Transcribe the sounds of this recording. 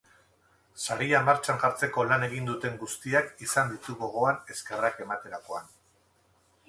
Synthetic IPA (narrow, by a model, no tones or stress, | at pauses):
saɾiamaɾt͡ʃaŋʝaɾt͡se̞ko̞lane̞ɣ̞ind̪ut̪e̞ŋɡust̪iakisand̪it̪uɣo̞ɣ̞o̞ane̞ske̞rake̞mat̪e̞ɾako̞an